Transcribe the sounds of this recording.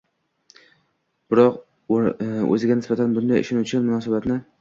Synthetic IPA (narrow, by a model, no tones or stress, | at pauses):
b̥ɪɾɒq | ɵ̰zɪɡʲanɪsbat̪ʰanbʊnd̪ajʊ̰ʃonut͡ʃʰɪnmʊnɒːsabat̪nɪ